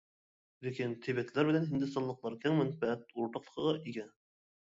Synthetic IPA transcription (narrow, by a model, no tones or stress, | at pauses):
lekʲint̪ʰebɛt̪ʰlæɾbɪlɛnɦɪnd̪ɪst̪ɑnlˠəqlˠɑɾkʲʰæŋmɪnfææt̪̚uɾt̪ɑqlˠə̥qəʁɑʔiɡʲɛ